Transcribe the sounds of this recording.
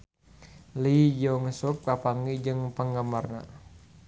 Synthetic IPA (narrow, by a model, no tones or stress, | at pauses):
lid͡ʒɔŋəsuk̚tapaŋid͡ʒəŋpəŋɡamarna̰